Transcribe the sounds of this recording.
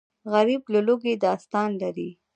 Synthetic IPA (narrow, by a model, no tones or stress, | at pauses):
ɣaɾiblʊloɡed̪ɑst̪ɑnlaɾi